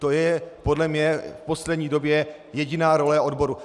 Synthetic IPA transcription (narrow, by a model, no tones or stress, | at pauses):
t̪o̞jɛpo̞dlɛmɲɛfpo̞slɛdɲiːdo̞bjɛ | jɛɟɪnaːɾo̞lɛʔo̞dbo̞ɾu